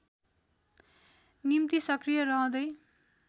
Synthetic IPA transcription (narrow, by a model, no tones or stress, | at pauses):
nimt̪isʌkrijʌrʌõd̪ʌj